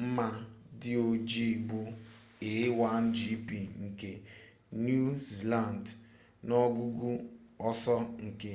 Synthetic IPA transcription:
m̩˦ma˦ | dɪ˦o˨d͡ʒi˦˨ɡ͡bʊ˦ | e˨˦wa˦n̩˦d͡ʒi˦pi˨ŋ̩˨ke˨ | nu˦zla˦˨n˨d | nɔ˦ɡu˦ɡu˦ | ɔ˦sɔ˦ŋ̩˨ke˦

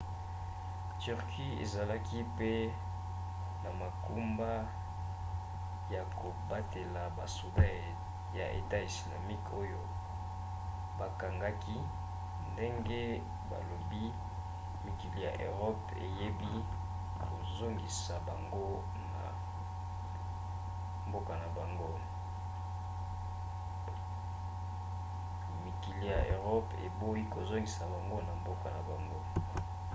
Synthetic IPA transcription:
ty˨ʁkʰi˦ḛ˨za˨la˦ki˦pe˦ | na˨ma˨ku˦mba˦ | ja˨ko˨ba˦te˨la˨ba̰˨so˨da˦ | ja̰˨ʔḛ˨ta˦i˨sla̰˨mi˦ko˦jo˦ | ba˨ka˨ŋɡa˦ki˦ | nde˦ŋɡe˦ | ba̰˨lo˨bi˦ | mi˨ki˨li˦ja̰˨ʔø̰˨ʁɔ˦p | ḛ˨je˦bi˦ | ko˨zo˦ŋɡi˨sa˨ba˨ŋɡo˦ | na̰˨ | mbo˦ka˨na˨ba˨ŋɡo˦ | mi˨ki˨li˦ja˨ʔø˨ʁɔ˦pḛ˨bo˦i˦ko˨zo˦ŋɡi˨sa˨ba˨ŋɡo˦na˨mbo˦ka˨na˨ba˨ŋɡo˦

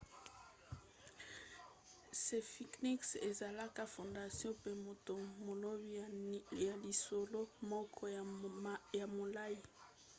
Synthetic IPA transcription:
se˨fi˨kni˦kse˨za˨la˦ka˦fõ˨nda˨sjɔ̃˦pe˦mo˨to˨mo˨lo˦bja˨li˨so˨lo˦mɔ˦kʰɔ˦ | ja˨mo˨la˦ji˨

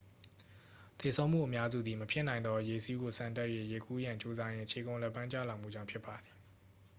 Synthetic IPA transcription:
t̪e˨sʰõ˦ʊ̃m̥ṵ˦˨ʔəmja˦zṵ˦˨d̪ði˨məpʰjɪ˦nã˨ɪ̃nd̪ɔ˦je˨si˦ɡo˨sã˨ntɛ˦ʔje˦˨je˨ku˦jã˨ɲt͡ɕo˦za˦jɪ̃˦ʔt͡ɕʰe˨kõ˨ʊ̃lɛ˦pːã˦ɲt͡ɕa̰˦˨lã˨m̥ṵ˦˨d͡ʑã˦˨mpʰjɪ˦pːa˨d̪ði˨

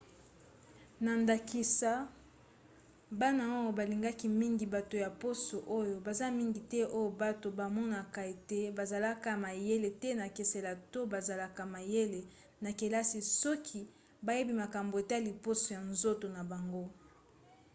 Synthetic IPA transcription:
na˨nda˨ki˨sa˦ | ba˦na˨o˦o˨ba˨li˨ŋɡa˦ki˦mi˦ŋɡi˨ba˨to˨ja˨po˦so˨ʔo˦jo˨ba˨za˦mi˦ŋɡi˨tɛ˦ʔo˦jo˦˨ba˦to˨ba˨mɔ˦na˨ka˨e˨te˦ba˨za˨la˦ka˨ma˨je˦le˨tɛ˦na˨ke˨se˨la˨to˦ba˨za˨la˦ka˨ma˨je˦le˨ | na˨ke˨la˦si˨sɔ˦kʰi˦ | ba˨je˦bi˦ma˨ka˨mbo˨e˨ta˦li˨po˦so˨ja˨nzo˦to˨na˨ba˨ŋɡo˦

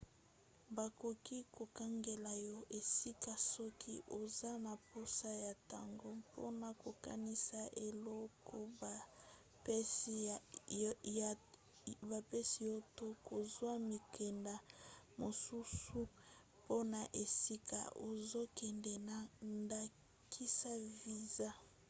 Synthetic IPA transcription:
ba˨ko˨ki˦ko˨ka˦ŋɡe˨la˨jɔ˦ʔe˨si˦ka˨sɔ˦kʰi˦ʔo˨za˦na˨po˦sa˦ja˨ta˨ŋɡo˦po̰˦na˨ko˨ka̰˦ni˦sa˦ʔe˨lɔ˦ko˦ba˨˦˨ | ba˨pɛ˦si˨jo˦to˦ko˨zwa˦mi˨kʰɛ˨nda˨mo˨su˦su˦ | po˦na˨ʔe˨si˦ka̰˨o˨zo˦kɛ˨ndɛ˨na˨nda˨ | kʰi˦sa˦vi˨za˦

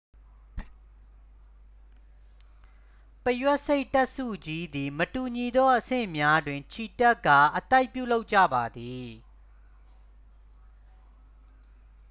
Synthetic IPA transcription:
pəjwɛ˦ʔse˦ɪʔta˦ʔsṵ˦˨d͡ʑi˦d̪i˨mətu˨ɲi˨d̪ɔ˦ʔəsɪ̰̃˦˨mja˦dwɪ̃˨ɲt͡ɕʰi˨tɛ˦kːa̰˦˨ʔə˨t̪a˦ɪpjṵ˦˨lo˦ʊʔt͡ɕä̰˦˨ba˨d̪i˨

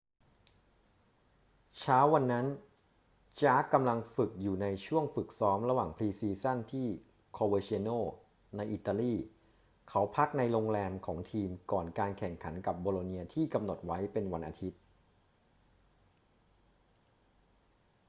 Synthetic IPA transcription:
t͡ɕʰaː˦˥wːa˧nːa˦˥n | t͡ɕaː˦˥kːa˧mla˧ŋfɯ˨˩k̚juː˨˩na˧jt͡ɕʰu˥˩əŋfɯ˨˩k̚sɔː˦˥mɾa˧waː˨˩ŋpʰliː˧siː˧sa˥˩nt̪ʰiː˥˩ | kʰoː˧wəː˧t͡ɕi˧noː˥˩ | na˧jʔiː˨˩t̪ːaː˧liː˥˩ | kʰa˦˥wpʰa˦˥k̚na˧jɾo˧ŋlɛː˧mkʰɔː˩˦ŋt̪ʰiː˧mkɔː˨˩nkaː˧nkʰɛ˨˩ŋkʰa˩˦nka˨˩p̚boː˧loː˧niː˧ɐt̪ʰiː˥˩ka˧mno˨˩t̪̚wa˦˥jpe˧nwa˧nʔa̰˧t̪ʰi˦˥t̪̚

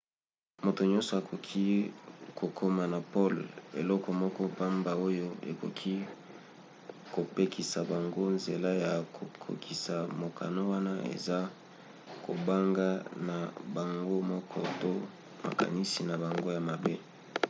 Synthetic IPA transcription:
mo˨to˨ɲɔ̃˦sɔ˨a˨kʰo˨kʰi˦kʰo˨kʰo˦ma˨na˨pɔ˦lḛ˨lɔ˦kɔ˨mɔ˦kɔ˦pa˦mba˨o˦jo˦ḛ˨ko̰˨kʰi˦ | ko˨pe˦kʰi˨sa˨ba˨ŋɡo˦nze˨la˦ja˨ko˨kʰo̰˨kʰi˨sa˨mo˨kʰa̰˨no˦wa˦na˦ḛ˨za˦ | ko̰˨ba˦ŋɡa˦na˨ba˨ŋɡo˦mɔ˦kʰɔ˦to˦ | ma̰˨ka̰˨ni˦si˨na˨ba˨ŋɡo˦ja˨ma˨be˦

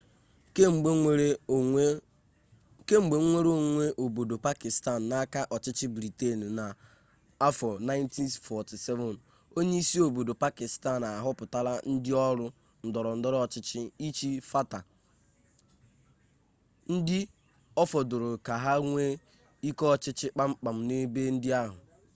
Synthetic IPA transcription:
ke˦ŋ͡m̩˨ɡ͡be˨˦ŋʷe˦ɾo˦ŋʷe˦ʔo˨bo˨do˨pa˦kɪ˨sta˦˨n̩ː˨a˦ka˦ʔɔ˨t͡ʃɪ˦t͡ʃɪ˦bɾi˨te˦˨n̩˨na˨ | a˦fɔ˨na˦ɪ˦nti˦nfɔ˨ti˨se˦vɔ˨n | o˦ɲe˦i˦si˦o˨bo˨do˨pa˦kɪ˨sta˦˨n˨a˨ɦʊ˦pʊ˨ta˦la˦n̩˦dɪ˦ɔ˦ɾʊ˦ | n̩˨dɔ˨ɾɔ˨n̩˨˦dɔ˦ɾɔ˦ɔ˨t͡ʃɪ˦t͡ʃɪ˦i˦t͡ʃi˦fa˦ta˨ | n̩˦dɪ˦ | ɔ˦fɔ˨dʊ˨ɾʊ˨ka˨ɦa˦ŋʷe˦ | i˦kɔ˦t͡ʃɪ˦t͡ʃɪ˦k͡pa˦ŋ͡m̩˦k͡pa˨m̩˨ne˦be˦n̩˦dɪ˦a˦ɦʊ˨

